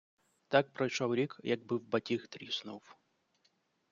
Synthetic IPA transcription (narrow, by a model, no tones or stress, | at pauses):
t̪ak̚pɾɔjt͡ʃɔwɾʲikjɐɡ̚bɪwbɐtʲixt̪ɾʲisnuw